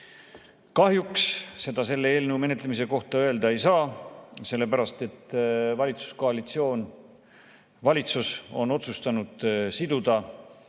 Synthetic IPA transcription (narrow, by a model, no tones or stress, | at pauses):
kɑɦjuksse̞d̪̥ɑse̞lːeeːlneume̞ne̞t̪ːˑlemis̬e̞ko̞ht̪ɑø̞e̞ld̪ɑe̞jsɑːse̞lːe̞pæɾɑst̪e̞t̪ːvɑlʲit̪su̥sko̞ɑlit̪sio̞ːn | vɑlʲit̪suso̞no̞t̪sust̪ɑnud̪̥sid̪̥ud̪̥ɑ